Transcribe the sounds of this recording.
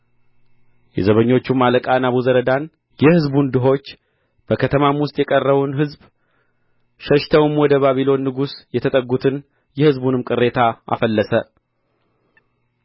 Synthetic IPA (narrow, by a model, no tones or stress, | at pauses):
jɛ̰zəβəɲːo̞t͡ʃːumaləkʼanaβuzəɾəd̪an | jɛhɨzbund̪ɨɦo̞t͡ʃː | b̥əkʰət̪ʰəmamwʊst̪ʼjɛkʼərːəβunɦɨzb | ʃəʃt̪ʰəwɨmwɔd̪əβaβilo̞nːɨɡusjɛt̪ʰət̪ʼəɡut̪ʰɨn | jɛhɨzbunɨmkʼɨrːe̞t̪ʰaʔa̰fəlːəsə